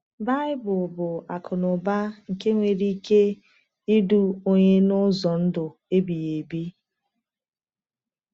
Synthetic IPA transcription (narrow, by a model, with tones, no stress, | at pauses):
ba˦ɪ˦bʊ˨bʊ˨a˨kʰʊ˨nʊ˨ba˦ŋ̩˨ke˦ŋʷe˨ɾi˦ke˦ | i˦du˦o˦ɲe˦nʊ˦zɔ˨n̩˦dʊ˨ | e˦bi˨je˨bi˦